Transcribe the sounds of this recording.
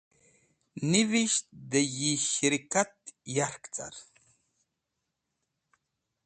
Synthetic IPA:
niviʃt̪d̪əjiʃɾikat̪jaɾkt͡sa̰ɾ

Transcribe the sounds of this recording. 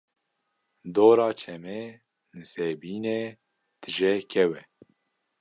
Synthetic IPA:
d̪oːɾɑːt͡ʃʰɛmɛː | nɨseːbiːneː | d̪̥ɨʒɛkʰɛwɛ

